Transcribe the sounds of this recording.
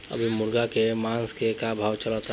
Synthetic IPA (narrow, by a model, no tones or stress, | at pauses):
ə̰bʱimʊɾɡakemãːskekabʱaːwt͡ʃəlɔt̪